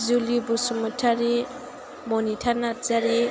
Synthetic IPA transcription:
zulibusumatʰaɾi | mɔnitʰaɾnazaɾi

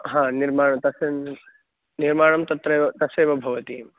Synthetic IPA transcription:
ɦãːniɾmaːɳɐt̪ɐse | niɾmaːɳɐmt̪ɐt̪ɾeːʋɐt̪ɐseːʋɐbʱɐʋɐt̪iːm

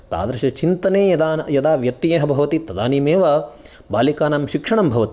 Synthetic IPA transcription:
t̪a̰ːd̪ɾɐʃɐt͡ʃint̪ɐneːjɐd̪aːjɐd̪aːʋjɐt̪ːijeːɦɐbʱɐʋɐt̪it̪ɐd̪aːniːmeːʋɐ | baːlikaːnaːmʃikʂɐɳɐmbʱɐʋɐt̪i

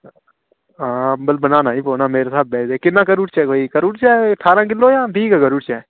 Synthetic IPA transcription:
ãːbəlbənaːnaːĩːpoːnaːmeːɾesaːbːɛːd̪eːkɪnːãːkəɾuːʈt͡ʃɛːkoːiːkəɾuːʈt͡ʃɛːəʈʰaːɾãːk̬ɪlːoːjãːpiːkɛːɡəɾuːʈt͡ʃɛː

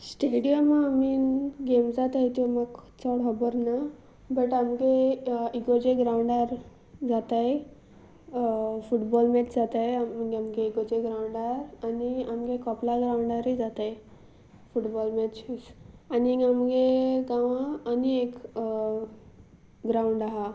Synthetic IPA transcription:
sʈeɽijəmaːminɡemd͡zat̪aɦjt̪oməɡkʰt͡sɔɽɦɔbəɾna | bəʈamɡeiɡod͡ʑeɡɾawɳɖaɾ | d͡zat̪aj | fuʈbɔlmɛt͡ɕd͡zat̪ajmɡamɡeiɡod͡ʑeɡɾawɳɖaɾaniamɡekɔplaɡɾauɳɖaɾed͡zat̪aj | fuʈbɔlmɛt͡ɕisaniɡamɡeɡãʋaːniek | ɡɾauɳɖaɦa

